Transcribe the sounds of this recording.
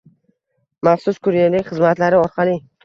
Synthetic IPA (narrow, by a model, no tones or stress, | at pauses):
maχsʊskʰʊɾijalɪkʲχɨzmat̪laɾɪɒɾqʰɑlˠɪ